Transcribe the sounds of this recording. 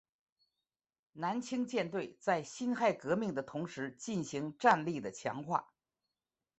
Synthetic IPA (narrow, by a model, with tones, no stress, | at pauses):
na˧˥nt͡ɕʰi˥ŋt͡ɕjɛ˥˧nt̪we˥˩ɪt͡sa˥˩ɪɕi˥nxa˥˩ɪkɤ˧˥mi˥˩ŋd̪ə˩t̪ʰʊ˧˥ŋʂɻ̩˧˥t͡ɕi˥˩nɕi˧˥ŋʈ͡ʂa˥˧nli˥˩d̪ə˩t͡ɕʰjɑ̰˧˥ŋxwa̰˥˩